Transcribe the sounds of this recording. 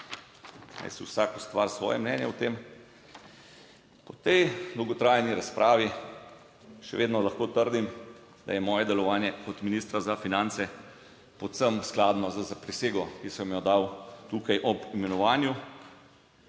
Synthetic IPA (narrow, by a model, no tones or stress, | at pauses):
na̰jsiwsaːkɔst̪ʋaɾsʋɔ̰ːjɛmnɛːnjɛwt̪em | pɔt̪ɛjd̪ɔwɡɔt̪ɾaːjniɾaspɾʔaːʋi | ʃɛ̰ʋeːd̪nɔlaxkoːt̪əɾd̪im | d̪a̰jɛmɔːjɛd̪ɛlɔʋaːnjɛkɔt̪miniːst̪ɾazafinaːnt̪sɛ | pɔw̪səmsklaːd̪nɔzəzapɾiseːɡɔkisəmjɔd̪awt̪uːkajʔɔbimɛnɔʋaːnju